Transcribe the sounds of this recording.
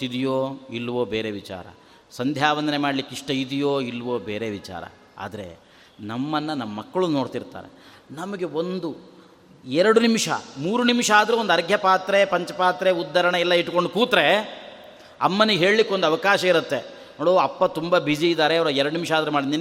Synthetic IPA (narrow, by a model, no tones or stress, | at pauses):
id̪ijoːilːʋo̞ːbeːɾeʋit͡ʃa̰ːɾɐ̰ | sɐnd̪ʱjaːʋɐnd̪ɐnemaːɖlikːiʂʈɐid̪ijoːilːʋoːbḛːɾe̞ʋit͡ʃa̰ːɾɐ̰ | a̰ːd̪ɐɾe̞̰ | nɐmːɐnːɐnɐmɐːɐkːɐɭuno̞ːɽt̪iɾt̪a̰ːɾḛ | nɐmɐɡe̞o̞nd̪u | ɛɾɐɽunimʂɐ̰muːɾunimʂɐaːd̪ɐɾeʋond̪ɐɾɡʱjɐpaːt̪ɾepɐɲt͡ʃɐpaːt̪ɾeud̪ːɐɾɐɳɐɛlːɐiʈːko̞ɳɖukuːt̪ɾe̞ | ɐmːɐnuɡɦe̞ːɭlikːond̪ɐʋɐkaːʃɐiɾut̪ːe̞ | noːɽoːɐpːɐt̪umbɐbid͡ʒiid̪aːɾeɐʋɾɐɛɾɐɽunimʂaːd̪ɐɾemaːɽind̪in